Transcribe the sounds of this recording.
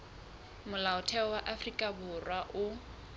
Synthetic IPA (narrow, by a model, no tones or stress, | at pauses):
mʊlaʊtʰɛɔwaʔafrikʼabʊrwaʔʊ